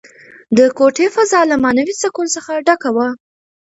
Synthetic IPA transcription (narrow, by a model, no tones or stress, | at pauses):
d̪əkoʈefazɑlamɑnawit͡sakunsəxaɖakawa